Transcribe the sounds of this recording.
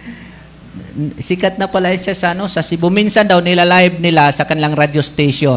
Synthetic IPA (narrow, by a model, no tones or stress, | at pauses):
sɪkat̪̚nɐpɐlaʔɪnsasɐʔɐno̞sɐsɪbʊminsɐnd̪awnɪlalajb̚nɪlasɐkɐnɪlaŋɾad͡ʒost̪ejʃo